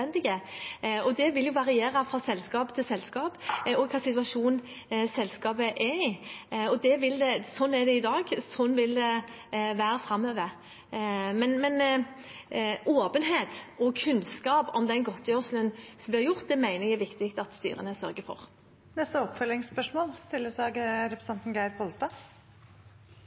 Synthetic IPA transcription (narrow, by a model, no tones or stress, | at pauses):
ɛnd̪ɪɡə | ɔd̪ɛʋɪljʊʋɑɾɪeːɾəfʁɑsɛlskɑːpt̪ʰɪlsɛlskɑːpɔkʰɑːsɪt̪ʉɑʂuːnn | sɛlskɑːbəʔɛɪɔd̪ɛʋɪld̪ɛsɔnːæɾd̪ɛɪd̪ɑːɡsɔnːʋɪld̪ɛ | ʋæːɾəfɾɑmːøːʋəɾ | mɛnmɛn | ʔoːpənɦeːt̪ɔkʰʉnskɑːpɔmd̪ɛnɡɔt̪ʰːjøːʂlənsɔmblɪʁɾjʊʁt̪̚d̪ɛmæɪnəjæɾʋɪkt̪ɪkt̪ɑt̪st̪y̰ːɾə̰nəsœɾɡəfɔ̰ʁ | nɛst̪əɔpfœlɪŋspœʂmoːlst̪ɪlːəsd̪ɑːɡɾɛpɾəsɛnt̪n̩ɡæɪɾpʰɔlst̪ɑː